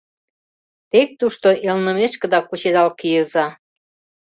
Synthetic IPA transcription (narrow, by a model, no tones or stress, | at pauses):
t̪ek̚t̪uʃt̪oʔelnə̆meʃkə̆d̪ɑkut͡ɕed̪ɑlkijəzɑ